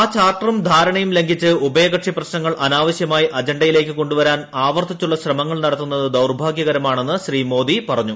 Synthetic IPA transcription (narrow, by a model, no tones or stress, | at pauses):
aːt͡ɕaːrʈɐrɐmd̪ʱaːɾɐɳɐjumle̞ŋɡʱit͡ɕːɨʔubɐjɐɣɐʈʂiprɐɕnɐŋːɐɭʔɐnaːʋɐɕjɐmaːjiʔɐd͡ʑɐɳɖɐjile̞ːk̬ːɨko̞ɳɖuʋɐɾaːnaːʋɐrt̪it͡ɕːuɭːɐɕrɐmɐŋːɐɭnɐɽɐt̪ːunːɐðɨd̪ɐwrbʱaːɡjɐɣɐɾɐmaːɳe̞nːɨɕriːmo̞ːd̪ipɐrɐɲːu